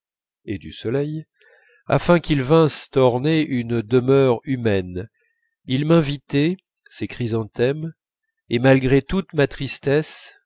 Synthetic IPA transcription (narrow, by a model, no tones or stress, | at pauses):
ed̪ysɔlɛj | a̰fɛ̃kʲilvɛ̃st̪ɔʁneʔynd̪əmœʁymɛn | ilmɛ̃vit̪ɛ | sekχizɑ̃t̪ɛm | emalɡʁet̪ut̪mat̪χist̪ɛs